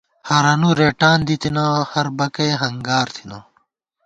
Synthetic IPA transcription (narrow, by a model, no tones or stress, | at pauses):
hɐɾɐnuɾeːʈaːnd̪it̪ʰinaːhɐɾbɐkɐjɦɐŋɡaːɾt̪ʰi̥naː